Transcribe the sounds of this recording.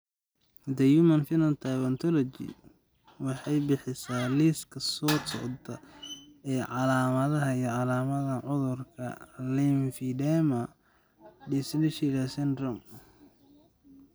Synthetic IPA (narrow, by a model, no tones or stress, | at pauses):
d̪ɐjumɐnfɪnɐnt̪ʰaβɐnt̪ʰɔlɔt͡ʃḭ | wɑħɑjbɪħɪsaːliskʰɐsɔːtɔ̰ʕd̪ɐ | ɛːʕɑlaːmɐðɐɦɐijɔʕɑlaːmɐðɐʕʊðʊrkʰɐ̰linfiɖɛmɐ | disnɛʃɪɾɐsɛnd̪rɔm